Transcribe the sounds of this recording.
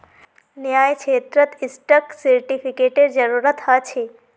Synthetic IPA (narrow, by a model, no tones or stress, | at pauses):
njaːjkʰeːt̪ɾət̪isʈəksiɾʈipʰikeʈeɾd͡ʒəɾuɾət̪ɦat͡ʃʰe